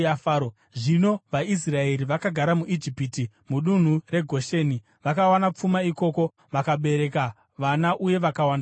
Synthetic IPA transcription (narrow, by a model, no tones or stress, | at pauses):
afaːo | ʐino̞ʋais̬rae̞ɾiʋakaɡʱaɾamuʔid͡ʒipiti | muɗun̤ure̞ɡʱo̞ʃeːni | ʋakawanap͡fumaiko̞ːko̞ | ʋakaɓe̞ɾe̞ka | ʋanaʔuje̞ʋakawanda